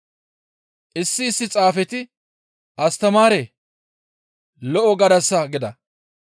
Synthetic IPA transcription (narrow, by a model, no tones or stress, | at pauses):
ʔɪsːɪːsːɪt͡sʼaːfɛt̪ɪ | ʔɐst̪ɐmaːɾeː | lɔʔɔɡɐd̪ɐsːɐɡɪd̪ɐ